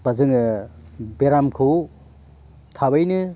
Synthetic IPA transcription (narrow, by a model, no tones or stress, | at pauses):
bazɯŋɯ | beɾamkʰɯw | tʰaβajnɯ